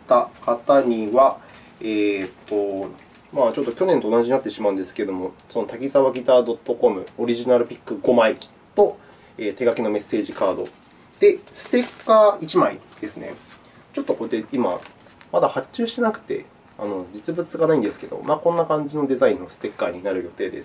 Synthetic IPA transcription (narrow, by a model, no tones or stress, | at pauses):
t̪akat̪aɲ̟iβa | eːt̪ːo̞ | maːt͡ɕo̞t̪ːo̞kʲo̞nẽnt̪oːnaʑiɲinat̪ːe̞ɕimaɯ̟nd̪esɨ̥ke̞d̪o̞mo̞so̞no̞t̪akʲizaβaɡʲit̪aːd̪o̞t̪ːo̞ko̞mɯ̟o̞ɾʲiʑinaɾɯ̟pʲi̥kːɯ̟ɡo̞maikʲi̥ | t̪o̞ | eːt̪e̞ɡakʲeno̞me̞sːe̞ːʑikaːd̪o̞̰ | d̪̥e̞sɨ̥t̪e̞kːait͡ɕimaḭd̪̥e̞sɨne̞̰ | t͡ɕo̞t̪ːokod̪eima̰ | mad̪ahat͡ɕɨːɕi̥t̪e̞nakɯ̟̥t̪e̞̰ | a̰no̞d͡ʑit͡sɨbɯt͡sɨɡanaĩnd̪e̞sɨ̥ke̞d̪o̞̰maːkõ̞nːakãɲ̟d͡ʑino̞d̪e̞zaĩnːo̞sɨ̥t̪e̞kːaɲ̟inaɾɯ̟jo̞t̪e̞ːd̪esɨ̥